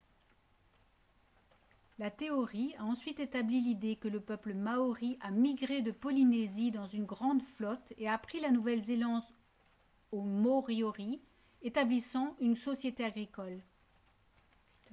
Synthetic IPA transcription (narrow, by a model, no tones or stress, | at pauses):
lat̪eɔʁiaɑ̃sɥit̪et̪ablilid̪ekələpœpləmaɔʁiʔamiɡʁed̪əpɔlinezid̪ɑ̃zynɡʁɑ̃d̪flɔt̪eapχilanuvɛlzelɑ̃d̪ | omɔʁjɔʁi | et̪ablisɑ̃ʔynsɔsjet̪eaɡʁikɔl